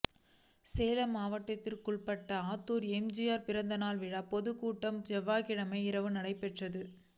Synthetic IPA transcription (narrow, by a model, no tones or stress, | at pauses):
seːlɐmaːʋɐʈːɐt̪ːɪlkʊɭpɐʈːɐaːt̪ːuːɾɛmd͡ʒɪjaːɾpɪɾɐnd̪ɐnaːlʋɪɻaːpɔðɯkuːʈːɐmd͡ʒɛʋaːkɪɻɐmɐɪɪɾɐʋɯnɐɽɐɪpɛʈrɐðɯ